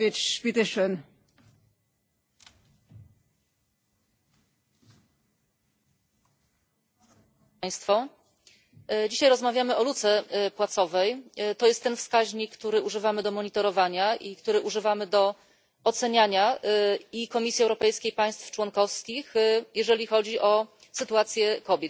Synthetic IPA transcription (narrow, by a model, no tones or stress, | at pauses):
et͡ɕʂpʲit̪ɛʂən | j̃st̪fɔ | d͡ʑiɕajɾɔzmavʲjamɘɔlut̪sɛpwat̪sɔvɛjt̪ɔjɛst̪ːɛnfskaʑɲikːt̪uɾɘuʐɘvamɘd̪ɔmɔɲit̪ɔɾɔvaɲaʔikt̪uɾɘʔuʐɘvamɘd̪ɔ | ɔt̪sɛɲaɲa | ikɔmʲisʲiɛwɾɔpɛjskʲejpaj̃st̪ft͡ʂwɔnkɔfskʲixjɛʐɛlʲixɔd͡ʑiʔɔ | sɘt̪uat̪sʲjɛkɔbʲjɛt̪